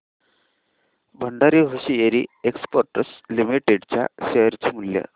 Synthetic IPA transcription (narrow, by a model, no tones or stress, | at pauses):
bʱəɳɖaɾiːɦoɕijeɾiekspəɾʈəslimiʈeɖt͡ɕja̰ɕeəɾt͡ɕemuljə̰